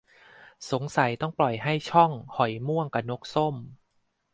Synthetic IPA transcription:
so˩˦ŋsa˩˦jt̪ɔ˥˩ŋplɔ˨˩jɦa˥˩jt͡ɕʰɔ˥˩ŋhɔ˨˩jmu˥˩əŋka˨˩no˦˥k̚so˥˩m

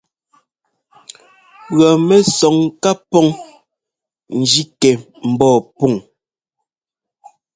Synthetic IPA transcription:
ɣɔ˨mɛ˨sɔ˨ŋka˦pɔ˦ŋ | n̩˨d͡ʒi˦kɛ˨ | m̩˨bɔː˦˨pu˦˨ŋ

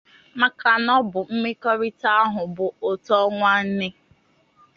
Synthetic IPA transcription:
ma˨ka˨nɔ˦bʊ˨m̩˦me˦kɔ˦ɾi˦ta˦a˦ɦʊ˨bʊ˨o˨tɔ˦ŋʷa˦n̩˦nɪ˦

